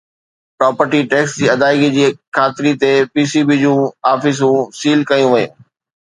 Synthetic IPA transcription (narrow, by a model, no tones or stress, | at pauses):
pɾaːpəɾʈiʈɛːksd͡ʑiːɐd̪aːɪɡid͡ʑiːkʰaːt̪ɪɾit̪epiːsiːbid͡ʑũːaːfɪs̬ũsiːlkɐjũʋɐjṵ̃ː